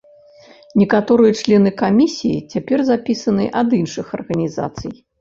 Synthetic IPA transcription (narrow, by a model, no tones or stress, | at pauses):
nʲɛkat̪ɔɾɨjɐt͡ʂlʲɛnɨkamʲisʲijḭt͡sʲapʲɛrzapʲisɐnɨʔɐd̪inʂɨxɐ̰rɣɐnʲiza̰t̪sɨj